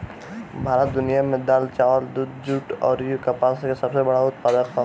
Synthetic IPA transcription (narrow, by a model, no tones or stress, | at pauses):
bʱaːɾət̪̚d̪ʊnijamẽd̪aːlt͡ʃaːʋəld̪ud̪d͡ʒuʈɔːɾjukɐpaskesɐbsebɐɽaʊt̪̚pad̪əkɦɔ